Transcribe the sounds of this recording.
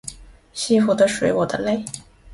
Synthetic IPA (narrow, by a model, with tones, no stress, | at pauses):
ɕi˥˩fu˨˩d̪ə˧ʂwe˧˥ɪwɔ˨˩d̪ə˦le˥˩ɪ